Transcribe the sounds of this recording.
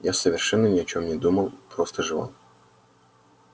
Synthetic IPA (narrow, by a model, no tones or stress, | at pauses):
jasəvʲɪrʂɛnːənʲɪɐt͡ɕo̞mnʲɪd̪uməlˠpɾost̪əʐɨva̰lˠ